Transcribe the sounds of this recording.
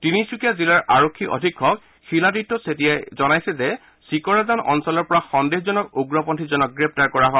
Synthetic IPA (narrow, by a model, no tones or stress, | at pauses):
tinisukijazilaɹʔaɹokʰːiʔo̰dʱikʰːɔk | xiladitːɔsetijajzɔnajsɛzɛ | sikɔɹazanɔ̰nsɔlɔɹpɔɹaxɔndexzɔnɔkoɡɹɔpɔntʰizɔnɔk̚ɡɹɛp̚taɹkɔɹaɦɔ